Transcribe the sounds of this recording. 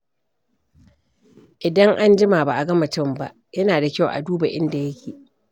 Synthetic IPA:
ʔɪ˨dɐ˦ŋʔa˦nd͡ʒɪ˦maː˨ba˨ʔa˨ɡɐ˦ma˨tɪ˦mba˨ʔjɐ˦naː˨da˨kʲa˦˨wʔa̰˨duː˦ba˨ʔɪ˦nda˨jɐ˦kʲʰiː˨

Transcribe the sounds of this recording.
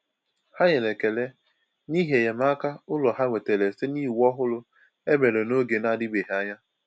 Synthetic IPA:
ha˦ɲe˨le˨ke˨le˦ | ni˦ɦe˨je˨ma˦ka˦ʊ˦lɔ˨ɦa˦ŋʷe˨te˨le˨si˦ni˦˨wɔ˦ɦʊ˦lʊ˦ | e˦be˨ɾe˨no˦ɡe˨na˦˨dɪ˦be˨ɦa˦ɲa˦

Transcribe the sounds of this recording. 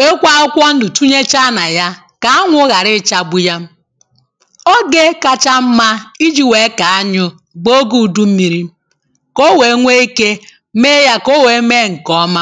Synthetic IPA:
e˦kʷa˦ʊ˦kʷɔ˦n̩˦dʊ˨tu˦ɲe˦t͡ʃa˦na˨ja˦ | ka˨a˦ŋʷʊ˦ɣa˨ɾɪ˦˨t͡ʃa˦bʊ˦ja˦m̩˦ | o˦ɡe˦ka˨t͡ʃa˦m̩˦ma˦i˦d͡ʒi˦we˨˦ka˨a˦ɲʊ˦ | ɡ͡bo˦ɡu˦˨du˦m̩˦mi˨ɾi˦ | ko˦we˨˦ŋʷe˦i˦ke˦ | me˦ja˦ko˦we˨˦me˦˨ŋ̩˨kɔ˦ma˦

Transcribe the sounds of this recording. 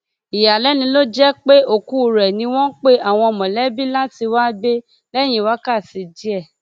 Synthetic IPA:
i˨ja˨lɛ˨˦nĩ˧lo˦d͡ʒɛ˦k͡pe˦o˦˨ku˦˨ɾɛ˨nĩ˧˦w̃ɔ̃˦k͡pe˦ʔa˦˨w̃ɔ̃˧ɔ˧˨mɔ̃˨lɛ˦bi˦la˦ti˧wa˦be˦ | lɛ˦˨j̃ĩ˧˦wa˦ka˦˨si˨˧d͡ʒi˦ɛ˦˨

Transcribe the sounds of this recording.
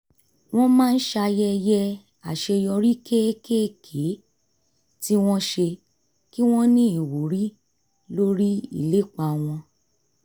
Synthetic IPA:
w̃ɔ̃˦mãː˦˧n̩˦ʃa˧jɛ˧jɛ˧ | a˨ʃe˧jɔ˧ɾi˦ke˦ke˦kʰe˨˦ | ti˦w̃ɔ̃˦ʃe˧ | ki˦w̃ɔ̃˦nĩ˦i˨wo˨˦ɾi˦ | lo˦ɾi˦ḭ˦˨le˨˦k͡pa˨˧w̃ɔ̃˧

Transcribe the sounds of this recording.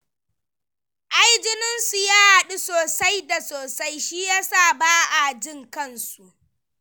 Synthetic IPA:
ʔa˦jd͡ʒɪ˦nɪ˦nsu˨jaː˦ha˨ɗu˦soː˨sa˦jda˨soː˨sa˦jʃiː˦jaː˦saː˦˨baː˦ʔa˨d͡ʒɪ˦ŋkɐ˦nsu˨ʔ

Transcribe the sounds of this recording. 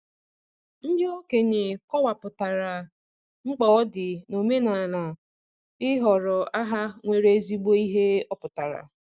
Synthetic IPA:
n̩˦dɪ˦o˦ke˨ɲɪ˨kɔ˦wa˨pʊ˨ta˨ɾa˨ | ŋ͡m̩˦k͡pɔ˨˦dɪ˨no˨me˦na˨na˨ | ɪ˦ɦɔ˨ɾɔ˨a˦ɦa˦ŋʷe˨ɾe˦zi˦ɡ͡bo˦i˦ɦe˦ɔ˦pʊ˨ta˨ɾa̰˨

